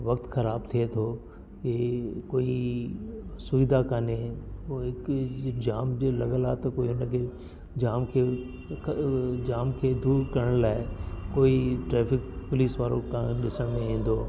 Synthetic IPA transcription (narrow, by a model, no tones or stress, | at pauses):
ʋɐk̚t̪xɐɾaːb̚t̪ʰiet̪ʰoː | kekoːi | sʊʋid̪akaneɪkd͡ʑaːmd͡ʑolɐɠəlaːt̪ɐkoːiɦʊnəkʰeː | d͡ʑaːmkʰeː | d͡ʑaːmkʰeːd̪uːɾkɐɾəɽ̃laːɪkoːiʈɾɛːfɪkpʊliːsʋaːɾokʰãɗɪsəɽ̃mẽɦĩːn̆d̪oː